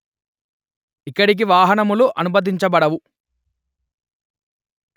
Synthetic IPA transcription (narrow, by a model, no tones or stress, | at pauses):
ikːɐɽik̬iʋaːɦɐnɐmuluʔɐnubɐd̪̬iɲt͡ʃɐbɐɽɐʋu